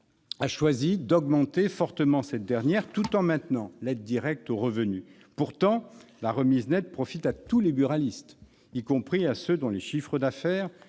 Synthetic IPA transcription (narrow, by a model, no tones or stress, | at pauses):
aʃwazid̪ɔɡmɑ̃t̪efɔʁt̪əmɑ̃sɛt̪̚d̪ɛʁnjɛʁt̪ut̪ɑ̃mɛ̃t̪nɑ̃lɛd̪̚d̪iʁɛk̚t̪oʁəvəny | puʁt̪ɑ̃laʁəmiznɛt̪̚pχɔfit̪at̪ulebyʁalist̪ | ikɔ̃pχiasød̪ɔ̃leʃifχəd̪afɛːʁ